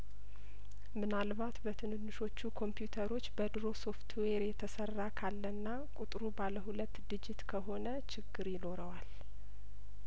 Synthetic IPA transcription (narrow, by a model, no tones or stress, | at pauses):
mɨnalβat̪bət̪ʰɨnɨnːɨʃo̞t͡ʃːukʰo̞mpjut̪ʰəɾo̞t͡ʃːbəd̪ɾo̞so̞ft̪ʰweɾjɛt̪ʰəsərːakʰalːənːa | kʼut̪ʼɾubaləɦulət̪ːd̪ɨd͡ʒɪt̪kʰəɦo̞nət͡ʃʰɪɡːɨɾjɪno̞ɾəwal